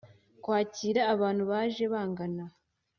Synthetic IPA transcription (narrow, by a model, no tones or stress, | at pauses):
kwaːciːɾaːβaːn̥huβaːʒe̞βaːŋɡana